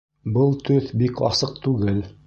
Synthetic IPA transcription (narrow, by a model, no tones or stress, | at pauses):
bɤlˠt̪ɵθbikʰɑ̰sɤq̚t̪ʉɡɘl